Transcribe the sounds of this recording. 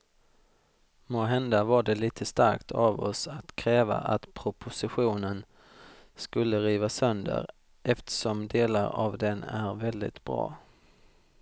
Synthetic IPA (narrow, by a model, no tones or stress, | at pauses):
moːɦɛnd̪avaɖɛliːt̪ʰəst̪aɾkt̪ʰavɔ̰sat̪kʰɾɛːva̰ʔa̰t̪pʰɾʊpʰʊsɪɧuːnən | skɵlːəɾiːvasœnd̪ə̰ɾ | ʔɛft̪ʰə̥ʂɔmd̪eːlaɾa̰vd̪ɛnæɾvɛld̪ɪ̰t̪bɾɑ̰ː